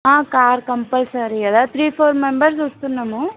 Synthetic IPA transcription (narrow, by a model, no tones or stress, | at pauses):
ãːkaːɾkɐmpɐlsaɾiɐd̪at̪ʰɾiːfʰoːɾmembɐɾs̬ust̪unːɐmu